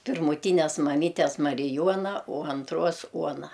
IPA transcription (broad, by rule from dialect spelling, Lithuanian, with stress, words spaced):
pʲɪrmʊˈtʲiːnʲɛs mɐˈmʲiːtʲɛs mɐrʲɪˈjuɔnɐ oː ɐnˈtruɔs ˈuɔnɐ